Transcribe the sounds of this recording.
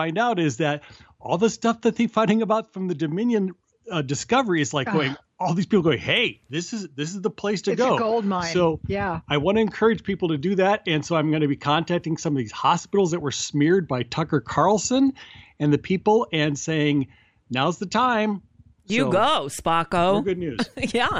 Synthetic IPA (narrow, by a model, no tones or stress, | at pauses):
fãɪ̃ndaʊɾɪzðɨɾ̚ | ʔɔlˠðəstʌfðɨt̪̚ðɨfãɪ̃ɾ̃ɪ̃ŋɨbaʊtfɹʌ̃mðɨdɨmɪ̃njɨ̃n | ʌdɨskʌvə˞iɨzlaɪkɡoʊɪ̃ŋ | ɔlˠðiz̥pipl̩ɡoʊɪ̃ŋheɪðɪsɨzðɪs̬ɨzðəpʰl̥eɪstʰɨɡoʊɡolˠd̚mãɪsoʊjæaɪwɑ̃ñɨɨ̃nkʰɜ˞ɨ̥d͡ʒ̥pʰipl̩ˠtɨdɨðæɾ̚ɨ̃nsoʊãɪ̃mɡʌnɨbikʰɑ̃ntʰæk̚tɪ̃ŋsʌ̃mʌvðiz̥hɑspɪɾl̩ˠzðɨt̚wə˞smɪɹd̚baɪtʰʌkə˞kʰɑɹl̩ˠsə̃nɨ̃nðɨpʰipl̩ˠɨ̃nseɪɪ̃ŋ | naʊəzðɨtʰãɪ̃m | sjɨoʊɡoʊspɑkoʊɡʊdⁿnʉz̥jæ